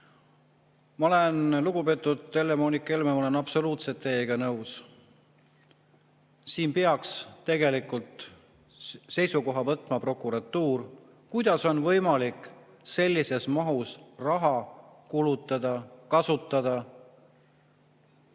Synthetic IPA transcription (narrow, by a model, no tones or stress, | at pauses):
mɑo̞le̞nluɡ̥upe̞ːt̪ːˑud̪elːemo̞ːnikˑːelmemɑolenɑpso̞luːt̪se̞t̪ːe̞ːɡ̥ɑnɤws | siːnpeɑkst̪e̞ɡe̞likːult̪ | se̞jsuko̞ɦɑvɤt̪ːˑmɑpro̞kːˑuɾɑt̪ːˑuːr | kujd̪̥ɑso̞nvɤjmɑlikːˑ | se̞lʲːise̞smɑɦusrɑɦɑkulut̪ːˑɑd̪̥ɑkɑsut̪ːˑɑd̪̥ɑ